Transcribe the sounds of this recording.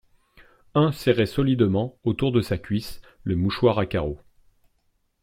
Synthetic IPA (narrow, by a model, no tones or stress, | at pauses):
ɛ̃sɛʁɛsɔlid̪mɑ̃ot̪uʁd̪əsakʲɥis | ləmuʃwaʁakaʁo